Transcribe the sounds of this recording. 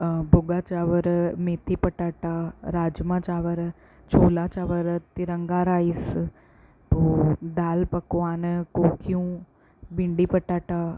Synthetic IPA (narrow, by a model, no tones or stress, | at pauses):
bʱʊɡaːt͡ʃaːʋəɾmeːt̪ʰipəʈaːʈaːɾaːd͡ʒmãt͡ʃaːʋəɾ | t͡ʃʰoːlaːt͡ʃaːʋəɾt̪ɪɾəŋɡaːɾaːis | t̪oːd̪aːlpɐkʋaːnkoːkʰijũː | bɪɳɖipəʈaːʈaː